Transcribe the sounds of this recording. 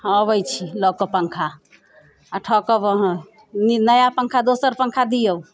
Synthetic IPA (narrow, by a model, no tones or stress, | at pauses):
əβəjt͡ʃʰilɔkɔpəŋkʰa | aʈʰɔkəbəɦ | ninəjapəŋkʰad̪osəɾpəŋkʰad̪ijə